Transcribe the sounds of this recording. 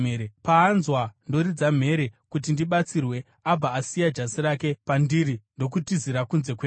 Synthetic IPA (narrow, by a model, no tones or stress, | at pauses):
eɾepaːnzwando̞ɾid͡zam̤e̞ɾe̞kutindiɓat͡sirwe̞ | ab͡vaːsijad͡ʒasiɾake̞pandiɾindo̞kutiziɾakunze̞kweː